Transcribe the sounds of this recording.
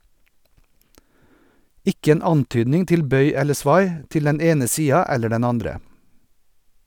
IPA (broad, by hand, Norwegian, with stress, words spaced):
ˈɪk ˈeːn ˈɑnˌtyːdnɪŋ ˈtɪl ˈbœʏ ˈɛlə ˈsʋɑɪ ˈtɪl ˈdɛn ˈeːnə ˈsiːɑ ˈɛlə ˈɖɛn ˈɑndɾə